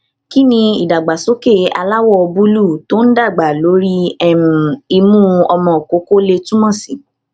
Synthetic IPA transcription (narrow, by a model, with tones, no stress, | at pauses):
ki˦nĩ˧i˨da˨ɡ͡ba˨so˦ke˦˨a̰˧la˦wɔ˦ɔ˧bu˦lu˦˨to˦n̩˦da˦˨ɡ͡ba˨lo˨˦ɾi˦ɛ˦m˨i˧mũ˦ɔ˧mɔ̃˨o˨ko˨˦ko˦le˧tũ˦mɔ̃˦˨si˨